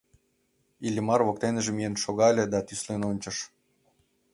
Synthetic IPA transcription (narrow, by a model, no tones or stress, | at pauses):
ilʲɘ̆mɑrβok̚t̪enʒĕmienʃoɣɑlʲĕd̪ɑt̪yslʲenonʲt͡ɕɤ̆ʃ